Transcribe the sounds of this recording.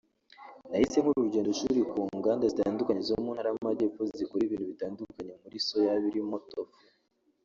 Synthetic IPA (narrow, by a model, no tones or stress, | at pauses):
nahise̞ŋ̥huɾuɾuɟeːndoʃuɾikuːŋɡaːndazitaːndukaɲezomuːnhaɾajamaɟe̞ːfozzikuɾiβiːntuβitaːndukaɲe̞muɾiso̞jaβiɾimotof